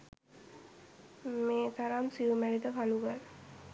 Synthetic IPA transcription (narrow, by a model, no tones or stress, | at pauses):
meːt̪aɾamsiʋumælid̪əkaluɡal